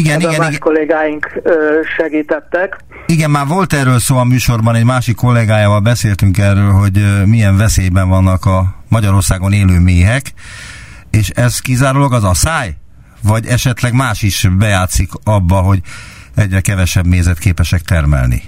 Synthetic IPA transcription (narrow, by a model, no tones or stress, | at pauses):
iɡɛniɡɛniɡkolːeːɡaːjiŋkːʃɛɡiːt̪ɛt̪ːɛk | iɡɛnmaːrvo̞lt̪ɛrøːlsoːlɒmyːʃo̞rbɒnɛɟmaːʃikːo̞lːɛɡaːjaːvɒlbɛseːlt̪yŋkɛrøːlɦo̞ɟmijɛɱvɛseːjbɛɱvɒnːɒkɒmɒɟɒɾo̞rsaːɡo̞neːløːmeːɦɛk | eːʃɛzkizaːɾuloɡɒzɒsaːj | vɒɟɛʃɛt̪lɛɡmaːʃiʃbɛjaːt̪sikɒbːɒɦo̞ɟ | ɛɟɾɛkɛvɛʃɛbmeːzɛt̪keːpɛʃɛk̚t̪ɛrmɛ̰lnḭ